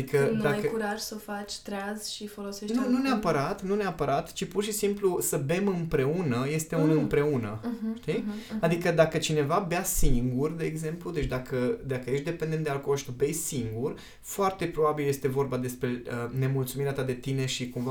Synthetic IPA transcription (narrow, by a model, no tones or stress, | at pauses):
d̪ikəd̪aajkuɾaʒsəfat͡ʃʲt̪ɾaz̥ʃifo̞lo̞seʃnt̪ununeapəɾat̪nuneapəɾat̪t͡ʃipurʃisimplusəbe̞mɨmpɾe̞unəje̞st̪eunɨmpɾe̞unə̰ʃt̪iad̪ikəd̪akət͡ʃine̞vabeasiŋɡurd̪e̞ːɡze̞mplud̪e̞t͡ʃd̪akəd̪akəje̞ʃt̪d̪e̞pe̞nd̪ent̪d̪ealkoloʃi̥t̪ubejsiŋɡur | foart̪e̞pɾo̞babilje̞st̪e̞vo̞rbad̪e̞spɾe̞əne̞mult̪sumiɾeat̪ad̪e̞t̪ine̞ʃikumva